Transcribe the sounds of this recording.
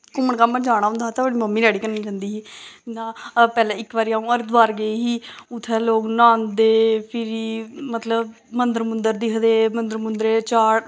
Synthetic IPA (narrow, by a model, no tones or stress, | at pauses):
kʊmːəɳkaːmːəd͡ʒaːɽ̃aːɦʊ̃nd̪aːt̪aəɽiːməmːiːɾaːɽiːkəɾniːt͡ʃãːnd̪iːɦiːd͡ʒɪnãːpɛːlɛ̃ːɪkʋaːɾiːaːũːəɾt̪ʋaːɾɡəeːɦiːʊt̪ʰːɛːloːɡnãːnd̪eːpʰɪɾiːmət̪ləb | mənd̪əɾmʊnd̪əɾd̪iːkəd̪eːmənd̪əɾmʊnd̪ɾeːt͡ʃaːɽ